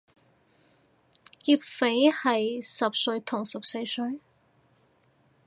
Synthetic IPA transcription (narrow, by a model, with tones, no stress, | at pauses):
kiː˧˥p̚fe˨˥jhɐ˨jsɐ˨p̚sɵ˧ɥt̪ʰʊ˨˩ŋsɐ˨˩p̚se˧jsɵ˧ɥ